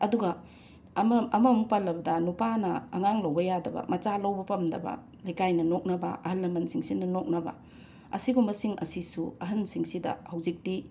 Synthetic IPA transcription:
ɐduɡɐ | mɐmɐmupalːɐbɐdɐnupanɐːŋaŋlɐwbɐjadɐbɐ̰mɐt͡ʃalɐwbɐpɐmdɐbɐ̰ | lɐjkajnɐnok̚nɐbɐ̰ʔɐhɐlːɐmɐnsiŋsinɐnok̚nɐbɐ̰ | ɐ̰siɡumbɐsiŋɐ̰sisuɐɦɐnsiŋsidɐ̰hɐwzik̚ti

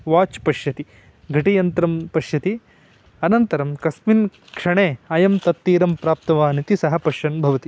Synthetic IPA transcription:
ʋaːt͡ʃpɐʂjɐt̪i | ɡʱɐʈijɐnt̪ɐɾɐmpɐʂjɐt̪i | ɐnɐnt̪ɐɾɐmkɐsmin | kʂɐɳeːɐjɐmt̪ɐt̪ːiːɾɐmpɾaːp̚t̪ɐʋaːnit̪isɐɦɐpɐʃɐnbʱɐʋɐt̪i

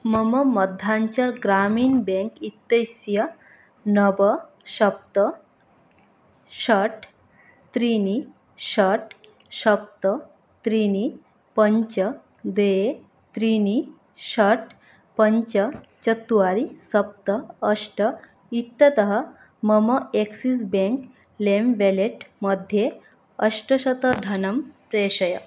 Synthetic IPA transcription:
məməməd̪ʱːaɲt͡ɕaɾɡɾamiːnbẽŋkit̪ːəsjə | nəbə | ɕəp̚t̪ə | ɕəʈ | t̪ɾini | ɕəʈ | ɕəp̚t̪ə | t̪ɾini | pəɲt͡ɕə | d̪ee | t̪ɾini | ɕəʈ | pəɲt͡ɕət͡ɕət̪ːuʋaɾisəp̚t̪əːʂʈə | it̪ːɐt̪əɦə | məməeksisbẽŋk | lemʋeleʈməd̪ʱje | əʂʈəɕət̪əd̪ʱɐnəmt̪eɕəjə

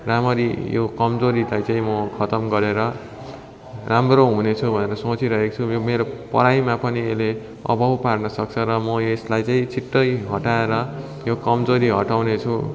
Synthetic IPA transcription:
ramʌɾḭjo̰kʌmd͡zoɾilajt͡saĩmʌkʰʌt̪ʌmɡʌɾeɾʌ | ramroɦunet͡sʰubʱʌneɾʌsot͡siɾʌɦekot͡sʰujomeɾopʌ̰ɾajmapʌniele | ʌ̰bʱʌwparnʌsʌk̚t͡sʰʌɾʌmʌeslajt͡saĩt͡sʰiʈːʌjɦʌʈaeɾʌ | jokʌmd͡zoɾiɦʌʈawnet͡sʰu

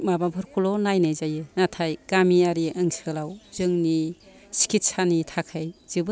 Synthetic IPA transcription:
mababʰʱɯɾkʰulɔnajnajzajɯnatʰajɡ̥amiaɾiaŋsɯlawz̥ɯŋni | si̥kʰit̚sanitʰakʰajz̥ɯbɯ

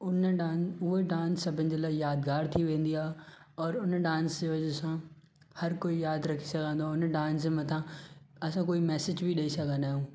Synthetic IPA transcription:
ʊnɖãːnʊɦeɖãːnsːɐbʱɪ̃nd͡ʑelaːjaːd̪ɡaːɾt̪ʰiʋẽːnd̪iaː | ɔːɾʊnɖãːnsd͡ʑeʋɐd͡ʑsã | hɐɾkoːijaːd̪ɾɐkʰi̥sɐɡʱãːnd̪oaʊnɖãːnsẽmɐ̃t̪ʰãɐsãkoːimɛːsɪd͡ʑbʱiɗɐisɐɡʱə̃nd̪aːjũː

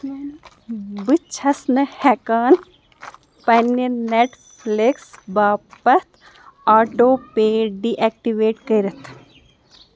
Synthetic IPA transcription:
bɨt͡ʃʰɐsnɨhɛkaːn | pɐnjɐneʈ | pʰliksbaːpɐt̪ʰ | aːʈoːpeːɖiːʔɛk̚ʈiʋeːʈkɐɾɐt̪ʰ

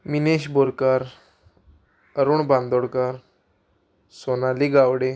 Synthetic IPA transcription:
mineɕboɾkaɾ | əɾuːɳband̪oɽkaɾ | sonaliɡawɽe

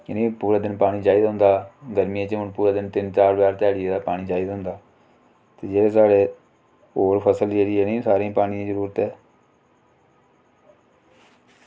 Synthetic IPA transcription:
ɪnĩːpuːɾaːd̪ɪnpaːɽ̃iːd͡ʒaːid̪ɦʊ̃nd̪aːɡəɾmijãːt͡ʃʊnpuːɾaːd̪ɪnt̪ɪnt͡ʃaːɾbjaːɾt̪ɛːɽɪjeːd̪aːpaːɽ̃iːd͡ʒaːid̪ɦʊ̃nd̪aː | t̪eːd͡ʒeːeːsaːɽeː | oːɾpʰəsəld͡ʒeːɽiɛːnĩːsaːɾẽːpaːɽ̃ijãːzəɾuːɾət̪ɛː

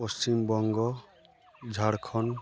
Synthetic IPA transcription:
post͡ʃimbɔŋɡɔ | d͡ʒʱaɽkʰɔn

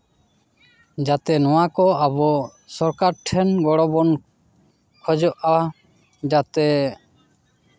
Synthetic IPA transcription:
d͡ʒat̪ɛnɔwakɔabɔ | sɔɾkaɾʈʰɛnɡɔɽɔbɔn | kʰɔd͡ʒɔʔa | d͡ʒat̪ɛ

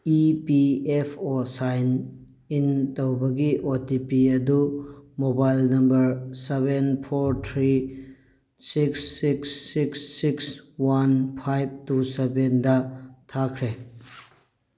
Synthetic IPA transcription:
ipiepʰosajn | intɐwbɐɡiʔotipiɐdumobajlnɐmbɐɾsebenpʰoɾt̪ʰɾi | siksːiksːiksːikswanpʰajb̚tusebendɐtʰakʰɾe

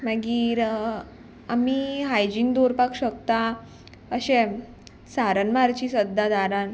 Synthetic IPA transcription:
maɡiːɾ | amiɦajd͡ʑiːnd̪oɾpakɕəkt̪a | əɕẽ | saɾənmaɾt͡ɕiːsəd̪ʱːad̪aɾãn

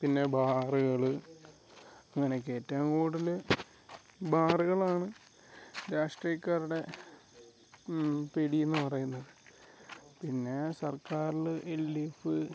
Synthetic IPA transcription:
pinːe̞bʱaːrɨɣɐɭɨ | ɐŋːɐne̞ke̞ːtːaːmkoːɽilɨ | bʱaːriɣɐɭaːɳɨ | ɾaːʂʈrijɐkːaːɾuɽe̞ | peɽienːɨpɐrɐjunːɐðɨ | pinːe̞sɐrkaːɾilɨʔelːifɨ

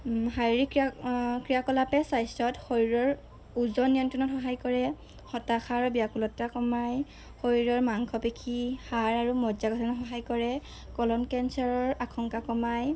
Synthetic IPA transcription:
ɦajɹikkɹijakɔlapɛsajsɔtxoɹiɹɔɹ | uzɔnijɔntinɔtxɔɦajkɔɹɛ | xɔtaxʰaɹbijakulɔtːakɔmaj | xoɹiɹɔɹmaŋkʰɔpekʰihaɹaɹumɔzaɡɔtʰɔnɔtxɔɦajkɔɹɛ | kɔlɔnkɛnsaɹɔɹakʰɔŋkakɔmaj

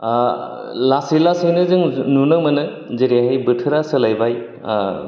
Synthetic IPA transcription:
lasilasɯjnɯzɯŋnunɯmɯnɯ | zeɾiaɦɯjbɯtʰɯɾasɯlajbaj

